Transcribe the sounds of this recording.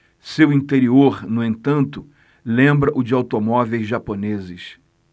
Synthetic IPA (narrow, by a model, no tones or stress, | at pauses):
sewĩnt̪eɾioɾnʊẽnt̪ɐ̃nt̪ʊ | lẽmbɾɐʔʊd͡ʒɪawt̪omɔvejzʒaponezɪs